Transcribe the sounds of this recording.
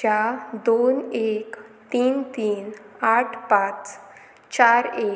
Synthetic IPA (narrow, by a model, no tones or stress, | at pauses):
ad̪onekt̪iːnt̪iːn | aʈʰpat͡s | t͡ɕaɾe